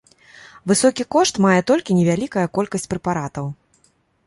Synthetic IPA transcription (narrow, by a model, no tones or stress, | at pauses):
vɨsɔkʲikɔʂt̪majɛt̪ɔlʲkʲinʲɛvʲalʲikɐjɐkɔlʲkɐsʲt͡sʲpɾɛpaɾat̪ɐw